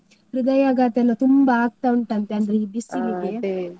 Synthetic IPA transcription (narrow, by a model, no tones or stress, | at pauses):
ɾud̪ɐjaːɡaːt̪jɐnːɐt̪umbaːɡ̚t̪auɳʈɐnt̪eɐnd̪ɾeibisːiliɡe